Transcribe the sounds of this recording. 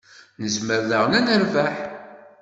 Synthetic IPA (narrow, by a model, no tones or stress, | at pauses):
nəzməɾðəʁnænəɾvæħ